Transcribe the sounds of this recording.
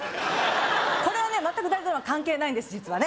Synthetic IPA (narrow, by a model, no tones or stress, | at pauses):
ko̞ɾe̞β̞ane̞mat̪ːakɯd̪aizoɾoβakãŋke̞ːnaĩnd̪esɨd͡ʑit͡sɨβane̞